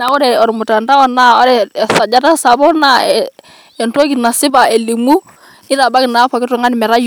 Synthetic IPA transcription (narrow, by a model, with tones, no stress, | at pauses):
na˨ɔ˦ɾɛ˨ɔ˨ɾmʊ˨ta˨nda˦ɔ˦na˦ɔ˦ɾɛ˨sa˨d͡ʒa˦ta˦sa˨bɔ˦na˦ɛ | ɛ˨nto˦k̬i˨na˨sɪ˦ba˨e˨li˨mu˦ | ɪ˦ɾa˨ba˦kɪ˨na˨˦pɔ˨kɪ˦tu˨ŋa˦nɪ˨mɛ˨ɾa˦j